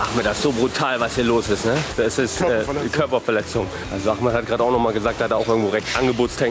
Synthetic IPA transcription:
ʔaχmədaɪsz̥oːbʁutʰaːlvashiːɐloːsɪstnəd̥asɪstɛːkʰœɐpɐfɛɐlɛt͡sʊŋ | ʔalzoʔaχməhat̚ɡ̥aːdəaʊxnɔχmaːlɡəzaːk̚taːhatdaːaʊxʔɪɐɡŋ̩tv̥oːʁɛçtʔanɡəboːtstʰɛŋ

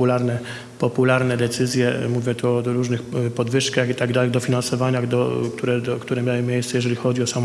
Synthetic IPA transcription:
ulaɾnɛ | pɔpulaɾnɛd̪ɛt̪sɘzʲjɛmuvʲjɛt̪uɔɾuʐnɘxpɔd̪vɘʂkaxit̪aɡd̪alɛɣd̪ɔfʲinansɔvaɲad̪ɔkt̪uɾɛd̪ɔkt̪uɾɛmʲjawɘmʲjejst̪sɛjɛʐɛlʲixɔd͡ʑiɔsam

